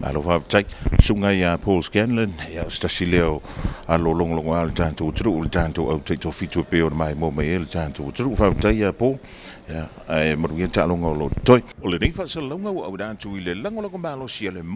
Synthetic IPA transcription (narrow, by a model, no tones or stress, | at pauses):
mʔa̰lofavtajsuŋajapʰolskanlaneaostasileoaloloŋoloŋoaltantutuɾuʔuletantowʔawtajtofituapeonmaemomajeletantutuɾuʔfavtajapo | a | maɾuɡietaʔloŋaoloʔtojolenejfasallawŋawa̰wɾantuilelaŋolaɡomalosialem